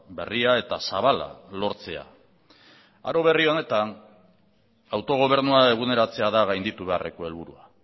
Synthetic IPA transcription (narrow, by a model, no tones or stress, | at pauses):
be̞̰riae̞t̪asaβala̰lo̞ɾt͡se̞a̰ | a̰ɾo̞β̞e̞rio̞ne̞t̪an | awt̪o̞ɣ̞o̞β̞e̞ɾnuae̞ɣ̞une̞ɾat͡se̞aðaɣajnd̪it̪uβe̞are̞ko̞e̞lβuɾua